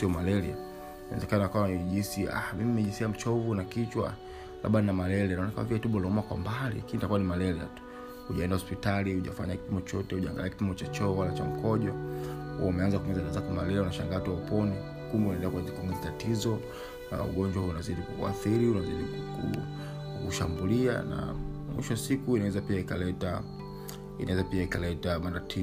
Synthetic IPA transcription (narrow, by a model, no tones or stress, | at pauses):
siɔmalɛɾia̰ | naɛ̰zɛkanaakawaʄisia̰hmimimːmɛʄisiam̩t͡ʃɔvunakit͡ʃwa̰ | la̰ɓaninamalɛɾɛnaɔnakaaviatuɓɔlɔumakwa̰mbalḭkinitakuwanimalɛɾia̰tu̥ | huʄaɛndahɔspitaliuʄa̰fa̰ɲakimɔt͡ʃɔtɛuʄa̰ŋɡaliakimɔt͡ʃat͡ʃɔwalat͡ʃam̩kɔʄɔhṵɔumɛanzakuŋɡizatazakumalɛlaunaʃa̰ŋɡatwaupɔni | kumbɛunɛndɛlakuazikuŋɡizatatizɔ | na̰ṵɠɔɲd͡ʒwahuunaziɗikuua̰θiɾiunaziɗikṵ | uʃambulia̰na̰mwḭʃɔasikuinawɛzapiaikalɛta | inawɛzapiaikalɛtamandatʰi